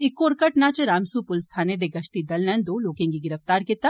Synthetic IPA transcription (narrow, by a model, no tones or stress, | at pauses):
ɪkːoːɾkɐʈnat͡ʃeɾaːmsupʊlst̪ʰaːned̪eɡɐʃt̪id̪ɐlnɛ̃nd̪oːloːkẽŋɡiɡɪɾəft̪aːɾket̪ɐ